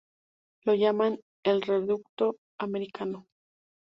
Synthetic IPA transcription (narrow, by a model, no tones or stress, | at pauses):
lo̞ʝaman | e̞lre̞ðuk̚t̪o̞ | ame̞ɾikʰano